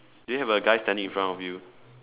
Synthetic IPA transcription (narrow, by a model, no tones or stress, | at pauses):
dujuhɛvəɡaɪstɛ̃ndĩŋĩnfɹãnɔfju